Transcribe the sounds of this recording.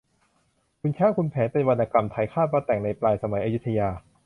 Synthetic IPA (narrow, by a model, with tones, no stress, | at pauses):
kʰu˧nt͡ɕʰaː˦˥˩wkʰu˧npʰɛː˩˦npe˧nwa˧nʔaː˧ka˧mt̪ʰa˧˩jkʰaː˥˩waː˦˧˥t̪ɛ˨˩ŋna˧jplaː˧jsa˧ma˩˦jʔaː˧ju˦˥t̪ʰːa˧jaː˧